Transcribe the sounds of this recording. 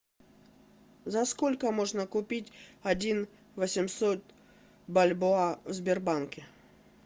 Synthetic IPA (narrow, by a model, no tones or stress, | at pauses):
zɐskolʲkəmoʐnəkʊpʲitʲɐdʲin | vəsʲɪmsot̪̚ | bɐlʲboavzbʲɪrbankʲɪ